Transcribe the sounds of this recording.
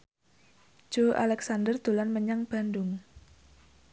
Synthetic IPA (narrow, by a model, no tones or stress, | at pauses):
d͡ʒ̥oʔa̰lɛksandərd̪̥o̤lanməɲaŋb̥a̤ndʊŋ